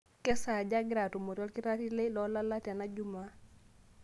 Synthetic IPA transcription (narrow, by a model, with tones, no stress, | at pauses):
kɛ˦sa˨d͡ʒa˦ɡɪ˦ɾa˨to˨mo˨ɾjɔ˦lkɪ˦ɾa˦ti˦le˦lɔ˦la˦la˦tja˨na˦d͡ʒu˦ma˦